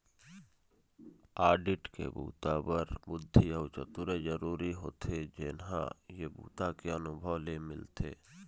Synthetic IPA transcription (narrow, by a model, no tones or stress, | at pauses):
aːɖɪʈkḛbṵːt̪abəɾbʊd̪ʱːiəʊt͡ʃə̰t̪uɾed͡ʒəɾuːɾiɦo̰ːt̪ʰed͡ʒenɦã̰jebṵːt̪akeənʊbʱəʋlemɪlt̪ʰḛː